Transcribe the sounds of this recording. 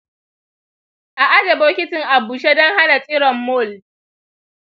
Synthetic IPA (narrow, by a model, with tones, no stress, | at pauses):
ʔa˨ʔa˦dɐ˨boː˦kʲɪ˦tɪ˨ŋʔa˨buː˨ʃe˦dɔ˦ŋɦa˦na˨t͡sʼɪ˦ɽɔ˨mːoː˦˨l